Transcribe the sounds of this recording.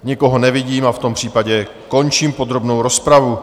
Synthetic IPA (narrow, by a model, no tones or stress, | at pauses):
ɲɪko̞ɦo̞nɛvɪɟiːmaft̪o̞mpr̝̥iːpaɟɛ | ko̞nt͡ʃiːmpo̞d̪ɾo̞bnowɾo̞spɾavu